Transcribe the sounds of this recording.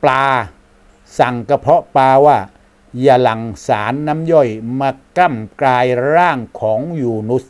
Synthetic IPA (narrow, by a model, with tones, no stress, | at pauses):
plaː˧ | sa˨˩ŋka˧pʰɔ˦˥ʔpaː˧waː˥˩ | ja˧˩la˨˩ŋsaː˩˦nːa˦˥mjɔ˥˩jmaː˧ka˥˩mklaː˧jɾaː˥˩ŋkʰɔː˩˦ŋjuː˨˩nu˦˥s